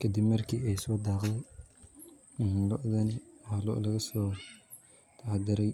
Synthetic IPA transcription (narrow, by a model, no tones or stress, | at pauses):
kʰɐd̪ɪbmɐrkʰiːɛjsɔːd̪ɑːqd̪ɛj | hlɔʔðɐnɪwhlɔ̰ʔlɐɣɐsɔː | t̪ʰɑʕd̪ɪɾɛj